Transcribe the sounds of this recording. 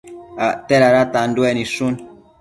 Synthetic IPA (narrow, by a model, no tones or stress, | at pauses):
atɛɾaɾatanduɛnisun